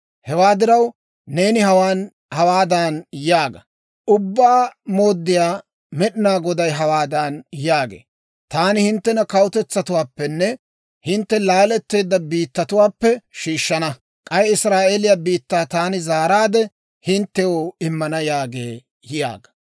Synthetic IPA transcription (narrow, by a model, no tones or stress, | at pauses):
hɛwaːd̪ɪɾɐwː | e̞ːnɪhɐwaːn | hɐwaːd̪aːnjaːɡɐ | ʔʊbːaːmoːd̪ːɪjaː | mɛɗɪnaːɡɔd̪ɐjɦɐwaːd̪aːnjaːɡḛː | t̪aːnɪhɪnt̪ːɛnɐkɐwʊt̪ɛt͡sːɐt̪ʊwaːpːɛnːɛ | hɪnt̪ːɛlaːlɛt̪ːe̞ːd̪ːɐbiːt̪ːɐt̪ʊwaːpːɛʃiːʃːɐnɐ | kʼɐjɪsɾaːʔelɪjaːbiːt̪ːaːt̪aːnɪzaːɾaːd̪ɛ | hɪnt̪ːɛjoɪmːɐnɐjaːɡeː | jja̰ːɡɐ̥